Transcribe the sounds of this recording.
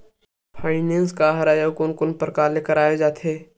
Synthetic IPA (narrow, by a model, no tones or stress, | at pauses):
pʰaːɪnẽːnskaːɦaɾaːjakʊnkʊnpəɾkaːleːkəɾaːjed͡ʒaːt̪ʰɦeː